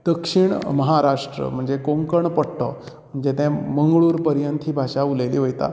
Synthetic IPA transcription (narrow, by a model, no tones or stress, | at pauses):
d̪̥əkʂiːɳməɦaɾaʂʈɾə̰m̤əɳd͡zekoŋkəɳpəɽʈ̪ɔ̰ | m̤əɳd͡zet̪ɛ̃məŋɡɭuːɾpəɾjənt̪ʰiːbʱaʂauleliːʋojt̪a̰